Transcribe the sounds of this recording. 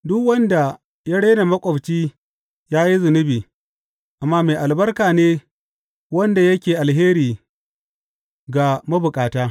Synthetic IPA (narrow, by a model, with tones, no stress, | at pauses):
dʊ˦kwɐ˦nda˨ | ja˦ɽeː˦na˨mɐ˦kʷʼɔ˨bt͡ʃiː˦ | jaː˦ji˦zʊ˨nʊ˦biː˨ | ʔa˨mːaː˦meː˨ʔa˨lbɐ˦rkaː˨neː˦ | wɐ˦nda˨jɐ˦kʲeː˨ʔa˨lɦeː˦ɾiː˨ | ɡa˨mɐ˦bʊ˨kʼaː˨taː˦